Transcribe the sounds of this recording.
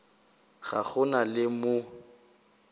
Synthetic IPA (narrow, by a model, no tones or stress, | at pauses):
ɣa̰ɣʊnalɪmʊ